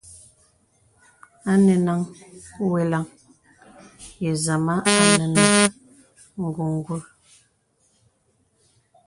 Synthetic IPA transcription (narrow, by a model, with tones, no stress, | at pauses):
a˦ne˨na˨ŋ˦we˨la˨ŋ | je˨za˨ma˦a˨nə˨na˨ŋ˦ | ŋ̩˨ɡu˨ŋ˦ɡwu˦